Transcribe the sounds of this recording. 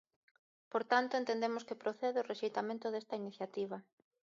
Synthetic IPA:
poɾt̪ant̪oẽnt̪end̪emʊskepɾoθeðeoreʃejt̪amẽnt̪ʊðest̪ɐiniθjat̪iβ̞ɐ

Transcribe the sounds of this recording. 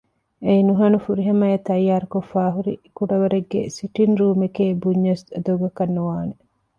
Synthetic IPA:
einuɦɐnufuɾiɦɐmɐet̪ɐjːaːɾukofːaːɦuɾḭkuɖɐʋɐɾeɡːḛsiʈinɾuːmekeːbuɲːɐsɐd̪ɐɡɐkɐnːuʋaːne

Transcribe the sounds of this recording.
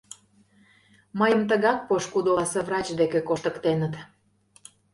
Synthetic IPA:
məjəmt̪əɣɑk̚poʃkud̪osevrɑt͡ɕd̪ekekoʃt̪ə̆kt̪enət̪

